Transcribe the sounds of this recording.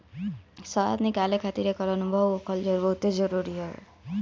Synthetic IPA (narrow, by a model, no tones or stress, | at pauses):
sʌa̰d̪nikalekʰat̪iɾekʌɾʌnubʱʌbokʰʌld͡ʒʌɾbʌut̪ed͡ʒʌɾuɾiɦo̰